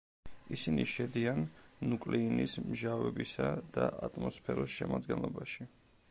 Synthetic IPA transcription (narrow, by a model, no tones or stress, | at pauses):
isiniʃɛd̪ianːukʼliːnismʒavɛbisad̪̥aʔat̪ʼmɔspʰɛɾɔsʃɛmad̪ɡɛnlˠɔbaʃi